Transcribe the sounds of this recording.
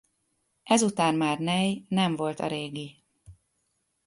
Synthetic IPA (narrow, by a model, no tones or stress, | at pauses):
ʔɛzut̪aːnmaːrnɛjnɛɱvo̞lt̪ɒ̰ɾeːɡi